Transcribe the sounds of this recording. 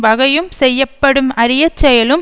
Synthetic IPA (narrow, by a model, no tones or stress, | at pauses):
ʋɐɣɐjɯmsɛjːɐpːɐɽɯmɐɾɪjɐt͡ʃːɛjɐlɯm